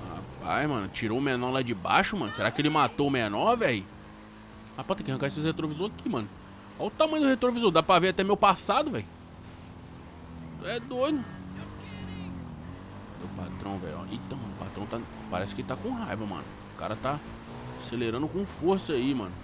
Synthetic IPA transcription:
ha̰pa̰jzmɐ̃nʊt͡ʃiɾoʊmenɔlad͡ʒɪba̰ʃʊmɐ̃nʊseɾakɪelɪmat̪oʊmenɔvɛj | apãt̪ẽkɪhɐ̃kaes̬ɪhet̪ɾovizoɾkimɐ̃nʊ | aʊt̪amɐ̃j̃d̪ʊhet̪ɾovizoɾd̪apɾaveat̪ɛmewpasad̪ʊvɛjʊ | ɛd̪onʊ | d̪epat̪ɾɐ̃w̃vɛ̰jɔ̰ḛ̃t̪ɐ̃w̃ʊpat̪ɾɐ̃w̃t̪a | paɾɛsɪ̥kɪelɪt̪akõɦajvɐmɐ̰̃nʊ | ʊka̰ɾɐt̪a | aseleɾɐ̃nd̪ʊkõfoɾsɐimɐ̰̃nʊ

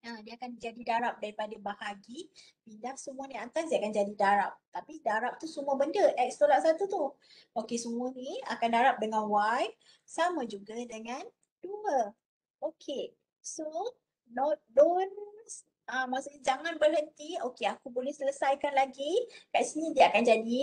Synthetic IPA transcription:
adiaakand͡ʒadidaɾap̚daɾipadabahaɡi | pindahsəmũəniant̪asdiakand͡ʒadidaɾap̚t̪apidaɾap̚t̪usuməbəndəʔɛk̚st̪olaʔsat̪ut̪u | ʔokesəmuənĩa̰kandaɾap̚dəŋanwaj | samãd͡ʒuɡadəŋãn | d̥uə | okʰe | so | nɔt̪̚dons | ãmasuɲad͡ʒaŋãnbərɦənt̪iokeakubolɛhsələsajkanlaɡikaʔsinĩdiəakand͡ʒadi

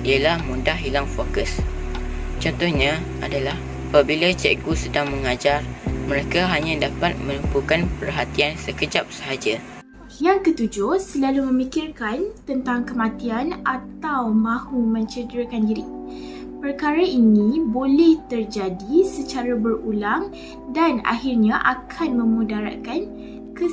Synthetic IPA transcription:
ʔialahmudahɦilaŋfokəs | t͡ʃɔnt̪ʊhɲã | adalah | apabilat͡ʃɛ̰ɡusədaŋməŋad͡ʒarmə̃ɾekaɦaɲãdapat̪̚mə̃ləmpukanpərɦat̪iansəkəd͡ʒap̚səɦad͡ʒa | ijaŋkət̪ud͡ʒʊsəlalumə̃mikirkant̪ənt̪aŋkəmãt̪ianʔat̪awmãhumə̃ɲt͡ʃədəɾəkandiɾi | pərkaɾainĩbolɛht̪ərd͡ʒadisət͡ʃaɾabərulaŋ | dana̰hirɲãʔakʰanmə̃mũdaɾa̰kan | kə

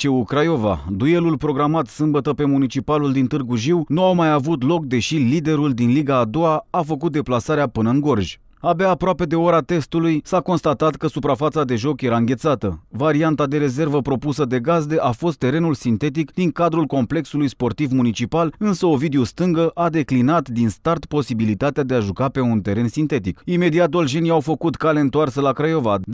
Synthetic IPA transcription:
t͡ʃeukɾajo̞va̰d̪uje̞lulpɾo̞ɡɾamat̪sɨmbət̪əpe̞munit͡ʃipaluld̪int̪ɨrɡuʒiwnuawmajavut̪lo̞k̚d̪e̞ʃilid̪e̞ɾuld̪inliɡaːd̪o̞aafək̬ut̪̚d̪e̞plasaɾeapɨnəɨŋɡo̞rʒʲ | abeaːpɾoape̞d̪e̞o̞ɾat̪e̞st̪ulujsako̞nst̪at̪at̪kəsupɾafat̪sad̪e̞ʒo̞kje̞ɾaɨŋɡʲe̞t̪sat̪əvaɾiant̪ad̪e̞ɾe̞ze̞rvəpɾo̞pusəd̪e̞ɡazd̪e̞ʔafo̞st̪ːe̞ɾe̞nulsint̪e̞t̪̬ikd̪iŋkad̪ɾulko̞mple̞ksulujspo̞rt̪ivmunit͡ʃipalɨnsəo̞vid̪eost̪ɨŋɡəʔad̪e̞klinat̪d̪inst̪art̪po̞sibilit̪at̪ead̪eaʒukape̞unt̪e̞ɾe̞nsint̪e̞t̪ikime̞d̪iat̪d̪olʒeniawfəkut̪kale̞ɨnt̪oarsəlakɾajo̞vad̪

